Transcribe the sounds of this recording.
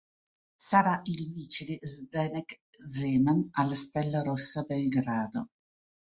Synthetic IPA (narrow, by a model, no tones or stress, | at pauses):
saɾaʔilmiːt͡ʃilizbɛnɛk | zɛːmanalst̪ɛlːaɾɔsːabɛlɡɾaːd̪o